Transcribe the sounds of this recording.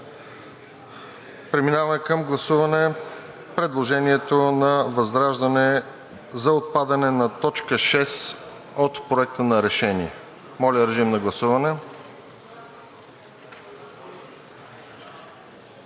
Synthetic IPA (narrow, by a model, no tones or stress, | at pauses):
pɾɛminavɐmɛkəmɡlˠɐsuvɐnɛ | pɾɛd̪lˠoʒɛniɛt̪onɐvɐzɾaʒd̪ɐnɛ | zɐot̪̚pad̪ɐnɛnɐt̪ɔt͡ʃkəʃɛs | ot̪pɾoɛk̚t̪ənɐɾɛʃɛniɛ | mɔlʲəɾɛʒimnɐɡlˠɐsuvɐnɛ